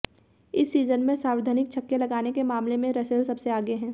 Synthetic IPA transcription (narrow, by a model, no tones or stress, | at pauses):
ɪsːiːzənmẽsãːʋɪɾd̪ʱaːnɪk̚t͡ʃʰɐkːjelɐɡaːnekemaːmlemẽɾɐselsɐbseaːɡeɦɛ̃ː